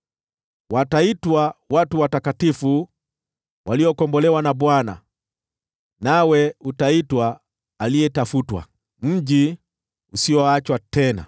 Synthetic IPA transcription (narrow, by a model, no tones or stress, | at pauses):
wataitwawatuwatakatifu | wʔaliɔkɔmbɔlɛwanabwana̰ | nawɛutaitwaː | liɛtafutwa̰ | m̩ʄi | usiɔat͡ʃwatɛna̰